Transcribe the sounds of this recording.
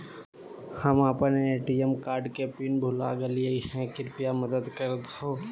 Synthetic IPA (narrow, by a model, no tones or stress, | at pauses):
həməpneːʈiemkaːɾɖkepiːnbʱʊla̰ɡəlieihɛ̃kɪɾpijaməd̪əd̪kəɾt̪ɦoː